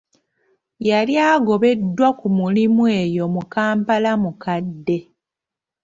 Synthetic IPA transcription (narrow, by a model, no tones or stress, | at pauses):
jaljaːɡo̞βe̞dːwakumulimue̞ːjo̞mukaːmpalamukadːe̞